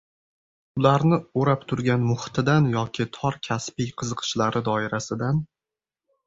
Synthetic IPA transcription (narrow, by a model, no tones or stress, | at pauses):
ʊlaɾnɪoɾap̚t̪ʰʊɾɡʲanmʊht̪ʰɪd̪anjɒkʲʰɪt̪ʰɒɾkʲʰaspɪjqʰɨzɨqʰɨ̥ʃlaɾɪd̪ɒɪɾasɪd̪an